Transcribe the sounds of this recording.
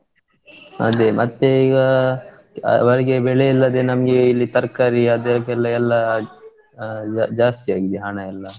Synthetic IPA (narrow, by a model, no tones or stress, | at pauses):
ɐ̰d̪emʔɐt̪ːeiɡa | ʋɐɾɡebeɭeɛlːɐd̪enɐmɡeilːit̪ɐɾkɐɾiɐd̪eɾpɛlːaɛlːa | d͡ʒaːst̪iaːɡid̪iɦaɳaɛlːa